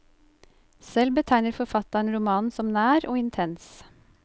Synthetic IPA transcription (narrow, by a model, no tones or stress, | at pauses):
sɛlbət̪ʰæɪnəɾfɔɾfɑt̪ɑɳɾʊmɑːnsɔmnæːɾoːɪnt̪ʰɛns